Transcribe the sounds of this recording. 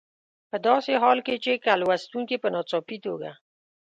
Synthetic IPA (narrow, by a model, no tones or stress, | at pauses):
pəd̪ɑseɦɑlket͡ʃekalwast̪uŋkepənɑt͡sɑpit̪oɡa̰